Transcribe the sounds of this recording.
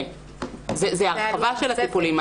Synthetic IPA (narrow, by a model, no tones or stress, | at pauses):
zezeaʁavaʃelhat͡sipulima